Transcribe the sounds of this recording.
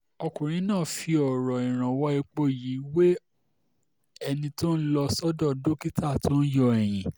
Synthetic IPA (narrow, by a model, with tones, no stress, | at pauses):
ɔ˧kũ˨ɾ̃ĩ˨˦nãː˦˨fi˧ɔ˨ɾɔ˨ĩ˨ɾ̃ã˨wɔ˨˦i˧k͡po˦˨ji˨˦we˦ | ɛ˧nĩ˧to˦n̩˦lɔ˧sɔ˦dɔ˦˨do˦ki˦tʰa˦˨tʰo˦n̩˦jɔ˧ɛ˨j̃ĩ˨